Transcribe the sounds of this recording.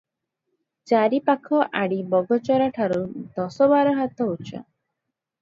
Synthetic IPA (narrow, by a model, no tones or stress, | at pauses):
t͡ʃaɾipakʰɔʔaɽibɔɡɔt͡ʃɔɾaʈʰaɾud̪ɔsɔbaɾɔɦat̪ɔut͡ʃʰa̰